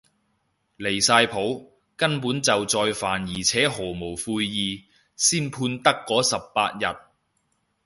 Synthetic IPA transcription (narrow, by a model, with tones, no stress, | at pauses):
le˨˩jsaː˧jpʰo˨˥w | kɐ˥npuː˨˥nt͡sɐ˨wt͡sɔː˧jfaː˨njiː˨˩t͡sʰɛː˨˥ɦɔː˨˩mo˨˩wfuː˧jjiː˨˧ | siː˥npʰuː˧nt̪ɐ˥kːɔː˨˥sɐ˨pːa̰ː˧t̚jɐ̰˨t̚